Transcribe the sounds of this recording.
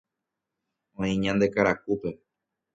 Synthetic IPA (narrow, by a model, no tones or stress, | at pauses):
õĩɲãnd̪e̞kaɾakupe̞